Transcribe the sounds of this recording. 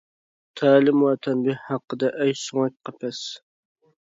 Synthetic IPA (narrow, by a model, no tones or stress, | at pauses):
t̪ʰæːlɪmwɑt̪ʰɛmbɪhhɑqːəd̪ɑʔæjsoŋɑk̚ʲqʰɑpʰɛs